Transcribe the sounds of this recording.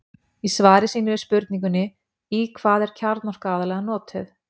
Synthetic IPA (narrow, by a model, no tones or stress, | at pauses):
isvaːɾɪsiːnʏɪspʏɾt̪niŋk̬ʏnːɪ | ikʰvaːðɛɾ̥cʰaɾt̪nɔr̥kaaːðalɛɣanɔːt̪ʏð